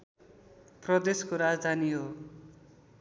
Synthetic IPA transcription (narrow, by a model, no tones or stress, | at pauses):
prʌd̪eskoɾad͡zd̪ʱaniɦo